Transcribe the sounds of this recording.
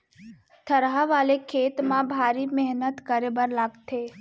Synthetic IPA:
t̪ʰəɾɦaʋaːlekʰeːt̪mãbʱaːɾimɛɦnət̪kəɾebəɾlaɡt̪ʰeː

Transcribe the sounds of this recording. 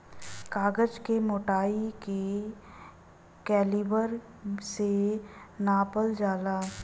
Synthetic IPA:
kaːɡəd͡ʒkemoːʈaːike | kɛːlibəɾ | senaːpəld͡ʒaːlaː

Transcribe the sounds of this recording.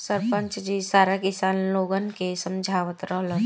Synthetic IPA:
səɾpə̃ɲt͡ʃd͡ʒisaːɾakɪsaːnloːɡənkesə̃md͡ʒʱaːʋət̪ɾəɦlə

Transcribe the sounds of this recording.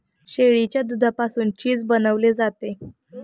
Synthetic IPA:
ɕeɭit͡ɕjad̪ud̪ʱapasuːnt͡ɕiːd͡zbənəʋled͡zat̪e

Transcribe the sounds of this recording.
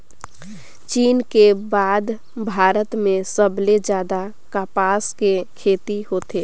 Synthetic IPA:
t͡ʃiːnkebaːd̪ | bʱaːɾət̪mẽsəbled͡ʒjaːd̪a | kaːpaːskekʰeːt̪ihoːt̪eː

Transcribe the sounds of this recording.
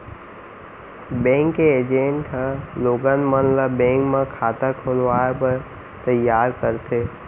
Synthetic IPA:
bẽːŋkːeːd͡ʒẽɳʈʰə̃loːɡənmənləbːẽːŋkmẽkʰaːt̪əkʰolʋaːjpəɾ | t̪əjaːɾkəɾt̪ʰeː

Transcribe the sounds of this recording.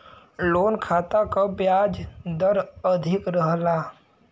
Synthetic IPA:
loːnkʰaːt̪akabjaːd͡ʒd̪əɾəd̪ʱɪkɾəɦlaː

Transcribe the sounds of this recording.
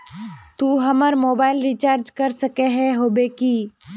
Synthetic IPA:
t̪uːɦɐməɾmoːbaːɪlɾit͡ʃaːɾd͡ʒkɐɾsɐkeɦɛɦoːbeki

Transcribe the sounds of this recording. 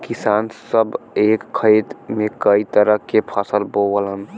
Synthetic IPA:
kisansəbeːkkʰːəjt̪mekəit̪əɾəkepʰasəlbowələn

